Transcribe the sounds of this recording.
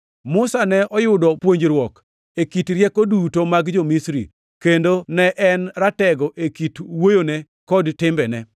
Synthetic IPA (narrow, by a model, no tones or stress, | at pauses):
mʊsanɛʔɔjʊdɔpwoɲd͡ʒɾwɔk | ekitɾjɛkodutomaɡd͡ʒomisɾḭ | kendonɛʔɛnɾatɛɡɔʔekitwojone | kɔdtɪmbɛnɛ